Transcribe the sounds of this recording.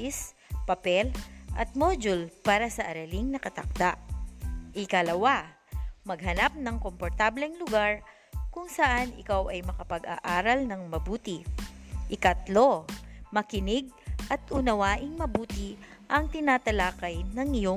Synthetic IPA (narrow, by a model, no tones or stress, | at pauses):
ɪs | pɐpɛlʔɐ̰t̪̚mod͡ʒʊlpaːɾɐsɐʔɐɾɐlɪŋnɐkɐt̪ɐ̰k̚d̪aʔ | ʔɪkɐlɐwa | mɐɡ̚hɐnap̚nɐŋkompoɾt̪ablɛŋlʊɡaɹ | kʊŋsɐʔanɪ̰kawʔɐjmɐkɐpɐɡa̰ʔaːɾɐlnɐŋmɐbuːt̪ɪʔɪkɐt̪lo̞mɐkɪnɪɡ̚ʔɐt̪ʔʊnɐwaːʔɪŋmɐbuːt̪ɪʔɐŋt̪ɪnaːt̪ɐlaːkɐjnɐŋɪjo